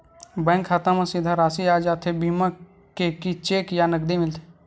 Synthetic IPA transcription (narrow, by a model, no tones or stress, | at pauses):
bɛ̃ːŋkʰːaːt̪ãmãsɪd̪ʱaɾaːsiaːd͡ʒaːt̪ʰebiːmã | kekit͡ʃeːkjanəɡd̪imɪlt̪ʰe̥